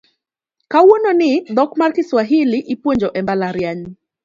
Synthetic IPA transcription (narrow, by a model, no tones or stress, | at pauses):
kawonɔnɪd̪ɔkmarkiswaɦiliʔipwɔɲd͡ʒɔʔɛmbalaɾjaɲ